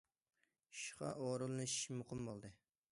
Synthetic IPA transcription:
ʃʁɑ̰ʔoɾulˠɨnɨʃmuqəmbolˠd̪ɨ

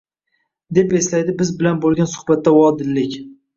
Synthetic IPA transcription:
d̪e̞pe̞slajd̪ɪbɪzbɪlanbolˠɡʲansʊ̥hbat̪ʰːawɒd̪ɪlːɪkʲ

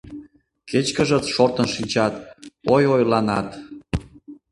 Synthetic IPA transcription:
ket͡ɕkəʒət͡sʃort̪ənʃinʲt͡ɕɑt̪ojojlɑnɑt̪

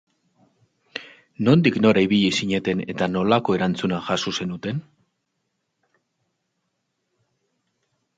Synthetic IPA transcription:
no̞nd̪ikno̞ɾajβiʎisiɲe̞t̪e̞ne̞̰t̪ano̞lako̞e̞ɾant͡sunaʝasose̞nut̪e̞n

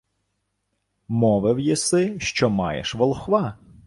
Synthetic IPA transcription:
mɔʋɪwjisɪʃt͡ʃɔmɑjḛʃʋɔlˠxʋɑ

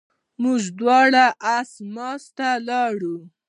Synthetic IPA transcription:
mʊʒd̪wɑɽaʔasmɑst̪alɑɽu

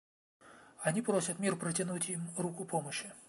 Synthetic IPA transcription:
ɐnʲipɾosʲət̪mʲirpɾətʲɪnutʲjimrukʊpoməɕːi

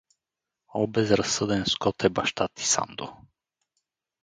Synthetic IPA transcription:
ɔbɛzɾasːɤd̪ɛnskɔt̪ʰɛbaʃt̪at̪i̥sa̰nd̪o

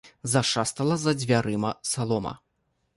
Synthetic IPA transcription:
zaʂast̪ɐlˠɐzɐd͡zʲvʲaɾɨmɐsalˠɔmɐ̰

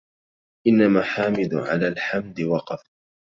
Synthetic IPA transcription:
ʔɪnːamaːħaːmɪd̪ʕa̰laːlħamd̪ɪwɑqɑf

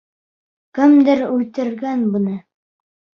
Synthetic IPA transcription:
kɘ̆md̪ɘɾʉt̪ɘ̆ɾɡænbɤ̆nɤ

